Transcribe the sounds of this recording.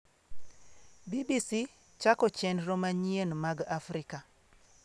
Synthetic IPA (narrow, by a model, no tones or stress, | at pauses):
bibisi | t͡ʃakɔt͡ʃɛnɾomaɲienmaɡafɾika